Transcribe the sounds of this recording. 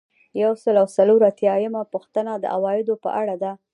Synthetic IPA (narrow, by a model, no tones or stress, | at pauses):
jawsəlawsaloɾat̪jɑjəmapuxt̪ənad̪ə̰ʔawɑjɪd̪opə̰ʔaɽad̪a